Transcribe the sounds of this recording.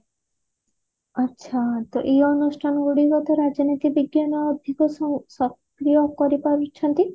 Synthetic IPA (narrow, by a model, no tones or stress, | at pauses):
atːʃʰat̪ɔʔeɔnusʈʰanɡuɽiɦɔt̪ɔɾad͡ʒnit̪ibiɡjanɔːd̪ʱikɔssɔk | ɾijokɔɾipaɾit͡ʃʰɔnt̪i